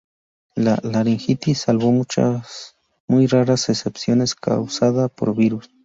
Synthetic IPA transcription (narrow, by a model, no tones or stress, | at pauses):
lalaɾiŋxit̪isalβomut͡ʃa̰s | mujraɾasesepsjoneskʰa̰wsaðapo̰ɾbiɾus